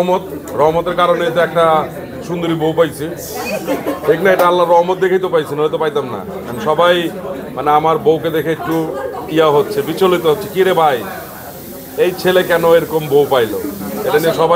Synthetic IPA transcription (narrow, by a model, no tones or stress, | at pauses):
mot̪ɾɔɦmot̪eɾkaɾonet̪eɛk̚ʈa | ʃund̪oɾibowpajt͡ɕʰi | pʰeknaeʈaalːaɾːɔɦmot̪̚d̪ekʰajt̪opajt͡ɕʰinaɦojt̪opajt̪amna̰ | kanoʃɔbajmaneamaɾbowked̪ekʰeek̚ʈuijaɦotːɕʰebit͡ɕolit̪eɦotːɕʰekiɾebʱaj | ejt͡ɕʰelekɛnoeɾokombowpajlo̰eʈanieʃɔba